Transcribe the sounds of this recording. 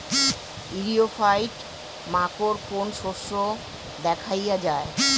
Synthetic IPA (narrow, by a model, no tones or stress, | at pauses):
iɾiofajʈ | makoɾkonʃoʃːo | d̪ɛkʰajad͡ʑae